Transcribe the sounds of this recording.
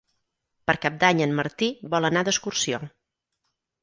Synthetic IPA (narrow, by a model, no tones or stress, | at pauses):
pəɾkap̚d̪aɲənməɾt̪ibɔlˠənad̪əskursio